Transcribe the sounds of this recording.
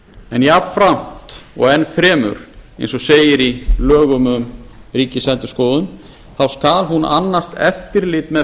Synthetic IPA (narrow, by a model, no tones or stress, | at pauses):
ɛnjapfɾam̥t̪ɔ̰ɣɛnːfɾɛːmʏ̰ɾḛjnsɔseːjɪɾilœːɣʏmʏmriːcɪsɛnt̪ʏskoːwðʏn | θawskaːlɦuna̰nːast̪ɛft̪ɪɾlɪt̪mɛ